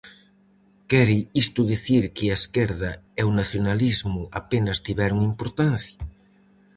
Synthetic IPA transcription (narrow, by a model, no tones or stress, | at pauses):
kɛɾɪist̪ʊðiθiɾkɪaeskeɾðɐɛwnaθjonalizmʊʔapenɐst̪iβɛɾʊŋimpoɾt̪an̟θjɐ